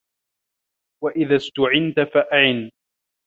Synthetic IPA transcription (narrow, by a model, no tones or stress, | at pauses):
waʔɪðaːst̪ʊʕɪnt̪afaʔaʕɪn